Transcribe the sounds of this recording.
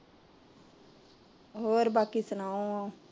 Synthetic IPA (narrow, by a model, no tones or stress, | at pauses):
ɦoːɾbaːkiːsənaːõãː